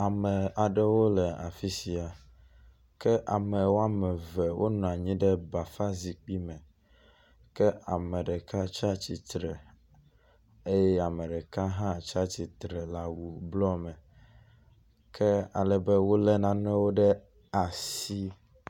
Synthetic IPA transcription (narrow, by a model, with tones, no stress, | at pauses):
a˨mɛ̃˨a˨ɖɛ˦wo˦lɛ˨a̰˨fi˦si˨a˨ | kɛ˦ʔa˨mɛ˨wo˦a˦mɛ˨vɛ˨wʔo̰˦nɔ̃˨a˨ɲĩ˦ɖɛ˦ba˨fa˦zi˨k͡pi˦mɛ̃˨ | kɛ˦a̰˨mɛ̃˨ɖɛ˨ka˦t͡ʃa˦t͡ɕi˨t̪ɾɛ˨ | e˦jɛ˦a˨mɛ˨ɖɛ˨ka˦ɦã˦˨t͡ʃa˦t͡ɕi˨t̪ɾɛ˨la˨wu˨blɔ˦mɛ̃˨ | kʰɛ˦a˨lɛ˨bɛ˦wo˦lɛ˦nã˨nɛ̃˦wo˦ɖɛ˦ | a˨si˦